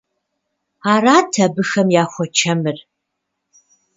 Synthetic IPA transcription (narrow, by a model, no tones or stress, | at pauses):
aːɾaːtʰɐbɨxɐmjaːxʷɔt͡ʃʰɐmɨr